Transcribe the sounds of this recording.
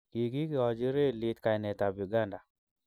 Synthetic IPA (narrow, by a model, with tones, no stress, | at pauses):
ki˨ki˦kɪ˨ɔ˨d͡ʒɪ˦ɾe˦˨li˦t̪ka˨jnɛ˨t̪a˨bu˨ɡa˦nda˨